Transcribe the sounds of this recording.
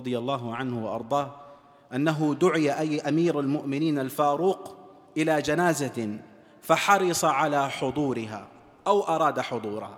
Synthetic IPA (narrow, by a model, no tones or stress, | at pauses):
ɾˤd̪ˤɨjalˤːɑːɦʕanhʊwɑʔɑ̰ɾˤd̪ˤɑːh | ʔanːaɦʊd̪ʊʕɪjaʔajʔamiːɾalmʊʔmɪniːnalfaːɾuːq | ʔɪlad͡ʒanaːza | faħɑɾɨsˤɑʕalaːħʊd̪ˤuːɾɪɦa̰ː | ʔawʔɑɾˤɑːd̪aħʊd̪ˤuːɾɑha